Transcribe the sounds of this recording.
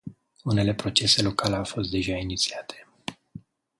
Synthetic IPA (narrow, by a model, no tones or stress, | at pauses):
une̞le̞pɾo̞t͡ʃe̞se̞lo̞kaleawfo̞st̪̚d̪e̞ʒainit̪siat̪ʰe̞